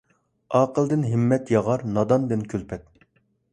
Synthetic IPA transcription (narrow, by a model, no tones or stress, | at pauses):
ɑːqəlˠd̪ɪnɦɪmːɛt̪jɑʁɑɾnɑd̪ɑnd̪ɪnkʲʰølpʰɛt̪̚